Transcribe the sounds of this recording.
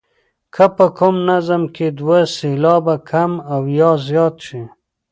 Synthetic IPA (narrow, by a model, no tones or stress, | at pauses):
kʰəpəkʰʊmnazəmkʰed̪waselɑbakʰamawjɑzjɑːt̪ʃi